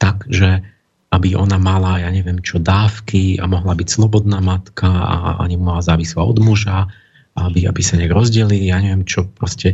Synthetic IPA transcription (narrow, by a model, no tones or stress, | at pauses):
t̪aɡʒɛ | abiʔɔ̰namalajaːɲɛʋɪɛmt͡ʃɔd̪aːfkia̰mɔɦlabicslɔbɔd̪̚naːmat̪kʰaa̰ʔa̰ɲimumalazaːʋislaɔ̰d̪muʒa | aabia̰bisaɲɛaɡɾɔzɟɛlilijaːɲɛʋɪɛmt͡ʃɔpɾɔscɛ